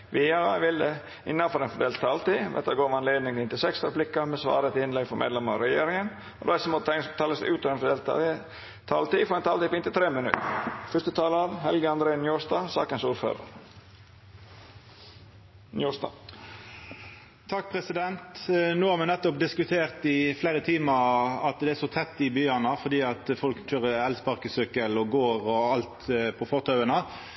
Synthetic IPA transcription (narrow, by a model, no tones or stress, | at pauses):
ʋeːɑɑʋɪld̪ə | ɪnːɑfɔɾɛːnfɔd̪eːlt̪ʰːɑːlt̪iːʋɛ̰t̪ːɑɡoːɾʋɑnleːd̪nɪŋɪnt̪ɪsɛkst̪ɔɾblɪkːɑmɛsʋɑ̰ːɾət̪ɪɪnlɛɡfɔɾmḛːd̪lɛməɾɑ̰ɾɛjeːɾɪŋən | ɔ̰d̪æsəmɔɛst̪ʰɑːləsd̪̰ʉːt̪ɔʋɛnfɔd̪e | t̪ʰːɑːlt̪iːfɔɾɛnt̪ʰɑːlt̪iːpʰɔɪnt̪ɪt̪ʰɾeːmənʉ̰t̪əfœʂt̪ət̪ʰɑːləɑʋhɛlɡəɑnd̪ɾeːnjuːɾsd̪ɑːsɑ̰ːkənsuːɾfø̰ːɾə̰ɾ | njuːst̪ɑ̰ː | t̪ʰɑkːpʰʁɛsɪd̪ɛnt̪noːhɑʁmɛnɛt̪ːʊp̚d̪ɪskʉt̪ʰeːʁt̪ɪfleːɾət̪ʰiːməʁɑt̪d̪ɛæsɔt̪ʰɛt̪ːɪbyːɑnəfɔd̪iːɑt̪fɔlkc͡çøʁəɛlspɑʁkəsʏkəlɔɡoːʁɔɑlt̪pʰɔfɔʁt̪ʰɑʉənə